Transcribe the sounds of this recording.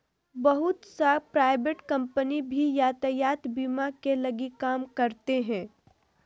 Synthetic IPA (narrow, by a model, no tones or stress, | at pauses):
bɐɦʊt̪sapɾaːɪbeʈkɐ̃mpənibʱijaːt̪əjaːt̪biːmakelɐɡikaːmkɐɾt̪eɦɛ̃ː